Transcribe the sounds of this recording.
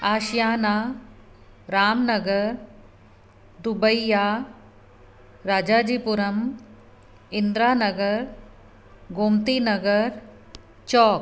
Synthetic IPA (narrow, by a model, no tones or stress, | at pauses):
aːʃjaːnaː | ɾaːmnɐɡɐɾ | d̪ubɐjːaː | ɾaːd͡ʒaːd͡ʒiːpuɾɐm | ind̪ɾaːnɐɡɐɾ | ɡoːmt̪iːnɐɡɐɾ | t͡ʃɔːk